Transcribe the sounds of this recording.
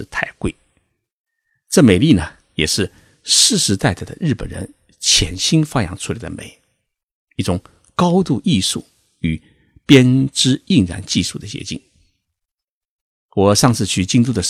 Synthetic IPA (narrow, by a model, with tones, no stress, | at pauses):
t̪ʰa˥˩ɪkwe˥˩ɪ | ʈ͡ʂɤ˥˩me˨˩ɪli˥˩nə˩ | jɛ˨˩ʂɻ̩˥˧ | ʂɻ̩˥˩ʂɻ̩˧˥t̪a˥˩ɪd̪ə˨˩d̪ə̰˧ɻɻ̩˥˩pə̰˨˩nɻə̰˧˥n | t͡ɕʰjɛ˧˥nɕi˥nfa˥jɑ̰˧˥ŋʈ͡ʂʰu˧˥la˧˩ɪd̪ə̰˧mḛ˨˩˦ɪ | i˥˩ʈ͡ʂʊ˨˩˦ŋ | kɑ˥ʊt̪u˥˧ʔi˥˧ʂṵ˥˩ | y˨˩ | pjɛ˥nʈ͡ʂɻ̩˥i˥˩ŋɻa̰˧˥nt͡ɕi˥˧ʂu˥˩d̪ə˩t͡ɕjɛ̰˧˥t͡ɕḭ˥˩ŋ | wɔ˨˩ʂɑ˥˧ŋt͡sʰɹ̩˥˧t͡ɕʰy˥˩t͡ɕi˥ŋt̪u˥˩d̪ə˩